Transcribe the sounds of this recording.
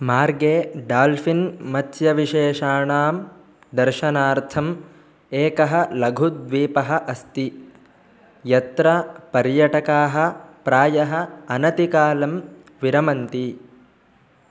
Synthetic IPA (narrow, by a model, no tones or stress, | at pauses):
maːɾɡeːɖaːlfinmɐt̪jɐʋiʃeːʃaːɳaːm | d̪ɐɾʃɐnaːɾt̪ʰɐm | eːkɐɦɐ̆lɐɡʱud̪ʋiːpɐɦɐ̆ʔɐst̪i | jɐt̪ɾɐpɐɾjɐʈɐkaːɦɐ̆pɾaːjɐɦɐ̆ɐnɐt̪ikaːlɐm | ʋiɾɐmɐnt̪i